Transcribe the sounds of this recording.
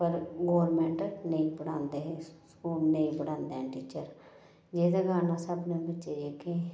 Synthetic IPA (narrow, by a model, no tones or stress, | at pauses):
pəɾɡoːɾmẽːɳʈnəĩːbəɽãːnd̪eːɦɛ̃ːskuːlnəĩːbəɽãːnd̪eɛ̃ːʈiːt͡ʃəɾ | d͡ʒeːd̪aɡaːnãːsəbnẽːbətːʃeːdeːkʰẽː